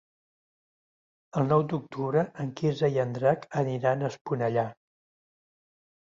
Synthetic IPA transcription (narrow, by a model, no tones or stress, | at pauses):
əlˠnɔwd̪uk̚t̪uβɾəʔəŋkizəiənd̪ɾakəniɾanəspunəʎa